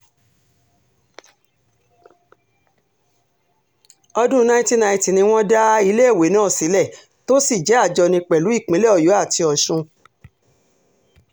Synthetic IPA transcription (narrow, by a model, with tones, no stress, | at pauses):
ɔ˧dũ˦nã˧ĩ˦ti˦nã˧ĩ˧ti˨nĩ˧w̃ɔ̃˦da˦i˧le˦e˦˨we˨˦nãː˦˨si˨˦lɛ˦˨ | to˦si˦˨d͡ʒɛ˨˦a˦˨d͡ʒɔ˧nĩ˧k͡pɛ˨lu˨˦i˦˨k͡pĩ˨˦lɛ˦ɔ˨jo˨˦a˦˨tʰi˧ɔ˨ʃũ˧